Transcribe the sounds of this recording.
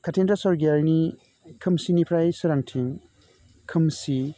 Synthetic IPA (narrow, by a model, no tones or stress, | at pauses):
kʰatʰendɾasɔɾɡaɾni | kʰɯmsinipʰɾajsɯɾaŋtʰiŋ | kʰɯmsi